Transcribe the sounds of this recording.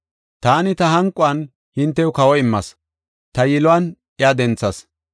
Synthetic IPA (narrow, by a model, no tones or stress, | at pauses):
t̪aːnɪt̪ɐɦɐŋkʼːʊɐn | hɪnt̪ːɛjʊkɐwɔɪmːɐs | t̪ɐjɪlʊɐnʔɪjaːd̪ɛnt͡sːɐs